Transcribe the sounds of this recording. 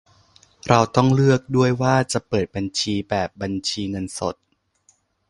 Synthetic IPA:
ɾa˧wt̪ɔ˥˩ŋlɯ˥˩ək̚du˥˩əjwaː˥˩t͡ɕa˨˩pɤː˨˩t̪̚ba˧nt͡ɕʰiː˧bɛː˨˩p̚ba˧nt͡ɕʰiː˧ŋɤ˧nso˨˩t̪̚

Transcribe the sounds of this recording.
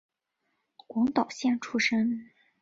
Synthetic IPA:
kwɑ˧˥ŋt̪ɑ˨˩ʊɕjɛ˥˩nʈ͡ʂʰu˥ʂə˥ŋ

